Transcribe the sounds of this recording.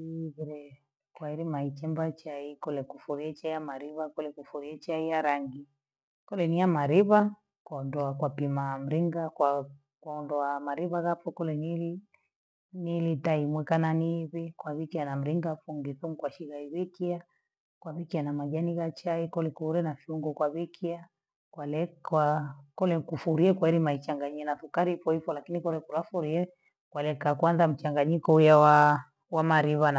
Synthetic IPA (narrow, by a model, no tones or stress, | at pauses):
iβiɾɛ | kwaiɾimait͡ʃɛmbat͡ʃaikɔlɛkufuɾiɛt͡ʃaijamaɾiβakɔlɛkufuɾiɛt͡ʃaijaɾaŋɡi | kɔlɛniamaɾiβa | kwandɔakwapimam̩ɾiŋɡaka | kwaɔndɔamaɾiβaɣafɔkɔlɛnili | nilitaimwɛkananiβikwaβikianam̩ɾiŋɡafuŋɡiθum̩kwaʃiɣaiβikia | kwaβikianamaʄaniɣat͡ʃaikɔlɛkuɾɛnafiuŋɡɔkwaβikʰia | kwalɛakɔlɛkufuɾiɛkwaɛɾimait͡ʃaŋɡaɲianaθukaɾifɔifɔlakinikɔlɛkulafuɾiɛ | kwalɛkakwanðam̩t͡ʃaŋɡaɲikɔujawa | wamaɾiβan